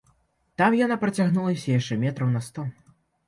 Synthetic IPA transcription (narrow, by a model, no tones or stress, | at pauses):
t̪amjanapɾɐt͡sʲaɣnulˠɐsʲɐjaʂt͡ʂɛmʲɛt̪ɾɐwnɐst̪ɔ